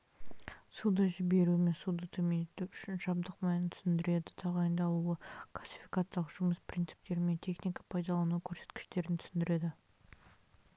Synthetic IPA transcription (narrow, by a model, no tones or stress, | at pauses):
sud̪ɑʒɪbe̞ɾuɪme̞nsud̪ɑt̪ʰɵmenet̪uʏʃɪnʃɑb̚d̪əqmɑjənt̪ʰʏ̥sɪnd̪ɪɾe̞d̪ɪt̪ʰɑʁɑjənd̪ɑlˠuəkʰlˠasʲːi̥fijkat̪sɑlˠəʒʊməspʰɾʲint̪sɨ̥p̚t̪e̞ɾɪme̞nt̪ʲʰe̞χnijkḁpʰɑjd̪ɑlˠɑnukʲʰɵɾse̞̥t̪kʲɪ̥ʃt̪e̞ɾɪnt̪ʰʏsɪnd̪ɪɾe̞d̪ɪ